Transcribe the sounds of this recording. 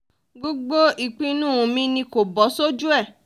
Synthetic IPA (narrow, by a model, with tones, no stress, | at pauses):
ɡ͡bo˦ɡ͡bo˦i˨k͡pĩ˧˦nũ˦˨ũ˨˧˨mĩ˦nĩ˧˦ko˨bɔ˨˦so˦d͡ʒu˦ɛ˦˨